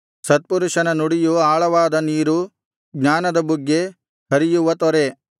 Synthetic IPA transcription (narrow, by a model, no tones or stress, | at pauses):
sɐt̪̚puɾuʂɐnɐnuɽijuaːɭɐʋaːd̪ɐniːɾu | ɡɲaːnɐd̪ɐbuɡːe | ɦɐɾijuʋɐt̪ɔɾe̞